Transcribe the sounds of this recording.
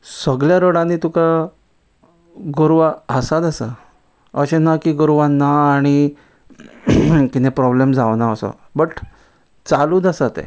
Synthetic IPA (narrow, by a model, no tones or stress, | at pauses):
səɡljaɾəɽãnːit̪uka | ɡoɾʋaəsad̪əsa | əɕenakiɡoɾʋanaːɽ̃i | kit̪ẽpɾɔblemd͡zaʋnaəsə̰ | bəʈ | t͡saluːd̪asat̪ḛ